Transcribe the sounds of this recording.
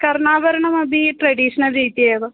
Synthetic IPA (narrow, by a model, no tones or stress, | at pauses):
kɐɾɳaːʋɐɾɐɳɐmɐbʱiʈɾɐɖiːʂɐnɐlɾiːt̪ːijeːɐʋɐ